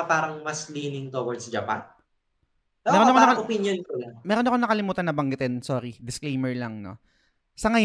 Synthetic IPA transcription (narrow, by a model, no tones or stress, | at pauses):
paːɾɐŋmɐsliːnɪŋt̪owɐɹd̪̚sd͡ʒɐpa̰n | mɛːɾoɐkoɐkopinjonkolamɛːɾonɐkonɐkɐlɪmuːt̪ɐnːɐbɐŋɡɪt̪ɛnsoːɾid̪ɪsklejmɛɹlɐŋno̰ | sɐŋɐj